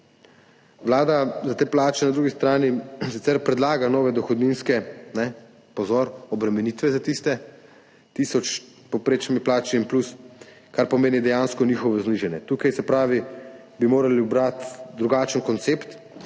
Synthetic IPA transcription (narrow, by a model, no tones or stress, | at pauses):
ʋlaːd̪azat̪eːplaːt͡ʃɛnad̪ɾuːɡist̪ɾaːnisit̪sɛɾpɾɛd̪laːɡanɔːʋɛd̪ɔxɔd̪ninskɛnɛ | pɔzɔːɾɔbɾɛmɛniːt̪ʋɛzat̪ist̪ɛ | t̪isɔt͡ʃ | popɾeːt͡ʃnimiplaːt͡ʃiːnplus | kaɾpɔmeːnid̪ɛjanskɔnixɔʋɔzniːʒɛnjɛt̪uːkajsɛpɾaːʋi | bimoːɾaliubɾat̪d̪ɾuɡaːt͡ʃənkɔnt̪seːpt̪